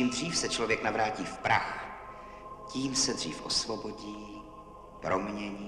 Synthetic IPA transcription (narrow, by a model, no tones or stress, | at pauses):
imdr̝iːfsɛt͡ʃlovjɛknavɾaːciːfpɾʔa̰x | ciːmsɛdr̥iːfʔo̞svo̞bo̞ɟiː | pɾomɲɛɲiː